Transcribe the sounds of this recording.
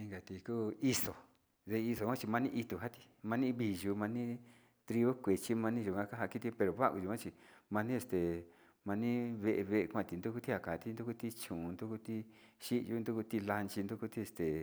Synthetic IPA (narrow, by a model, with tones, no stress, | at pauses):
ĩ˧ŋɡa˨t̪i˧kuː˦i˧so˨ | ðe˧i˧so˧kʷã˦˧t͡ʃi˧mã˧nĩ˦ʔi˧t̪u˧ɦa˦t̪i̥˧ | mã˧nĩ˦βi˧˨ʒu˧mã˧nĩ˦ | t̪ɾi˧o˦kʷe˨t͡ʃi˦mã˧nĩ˦ʒu˧˨kã˧˦ka˦ɦa˧ki˦t̪i˧pe˧ɾo˨βa˦˨ku˧ʒu˧ã˦t͡ʃi˧mã˧nĩ˦e˧st̪e˨ | mã˧nĩ˦βe˧ʔe˧βe˧ʔe˧kʷã˦˧t̪i˧˨nd̪u˦ku˦t̪i˦ha˧˨ka˨˧t̪i˦nd̪u˦ku˧t̪i˦t͡ʃũ˨˧nd̪u˦ku˧t̪i˦ | ʃi˦˧ju˦nd̪u˦ku˧t̪i˧la˧nt͡ʃi˧nd̪u˦ku˧t̪i˦e˧st̪e˨